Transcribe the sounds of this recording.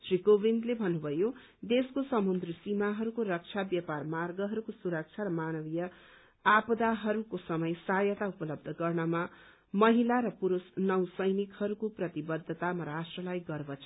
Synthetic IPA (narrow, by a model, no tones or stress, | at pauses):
srikobind̪lebʱʌnːubʱʌjo | d̪eskosʌmund̪risimaɦʌɾukorʌk̚t͡ʃʰabjʌparmarɡʌɦʌɾukosuɾʌk̚t͡sʰaɾʌmanʌbijʌ | apʌd̪aɦʌɾukosʌmʌjsajʌt̪aupʌlʌb̚d̪ʱʌɡʌrnʌma | mʌɦilaɾʌpuɾusnʌwsʌjnikhʌɾukoprʌt̪ibʌd̪ʱːʌt̪amʌɾasʈrʌlajɡʌrbʌt͡sʰ